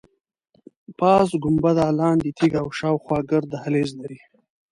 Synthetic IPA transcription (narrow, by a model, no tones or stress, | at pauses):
pɑːs̬ɡʊmbad̪ɑːlɑːnd̪it̪ʰiɡawʃɑːwxwɑːɡəɾd̪ahaleːzlaɾi